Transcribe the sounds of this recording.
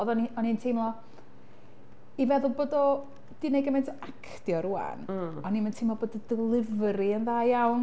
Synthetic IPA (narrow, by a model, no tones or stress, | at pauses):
ðɔniɔnintʰimlˠɔ | ivɛðʊlˠboːdɔ | d̥ɪnejɡəmentʰɔakʰtjɔɾua̰nɔniməntʰiːmɔboːdɔdɪlˠɪvɾiənðaːjjawn